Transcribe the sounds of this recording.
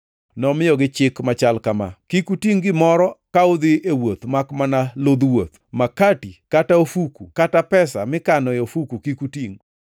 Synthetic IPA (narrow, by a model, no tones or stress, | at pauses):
nɔmɪjɔɡɪt͡ʃɪkmat͡ʃalkama̰kikutiŋɡɪmɔɾɔkaʊd̪ɪewot̪makmanalod̪wot̪̚makatikataofukukatapɛsa̰mɪkanɔjofukukikutiŋ